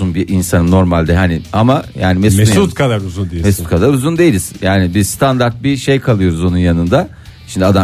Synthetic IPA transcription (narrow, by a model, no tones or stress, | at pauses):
unbiʔinsanɯmno̞ɾmalʲd̪ɛɦaniamajaːnimesuut̪kʰad̪aɾuzund̪emesut̪kʰad̪aɾuzund̪e̞jilʲiz̥jaːnibizst̪ʰand̪aɾt̪̚biʃejkʰalˠɯjo̞ɾuzo̞nunjanɯnd̪a | ʃimd̪iad̪a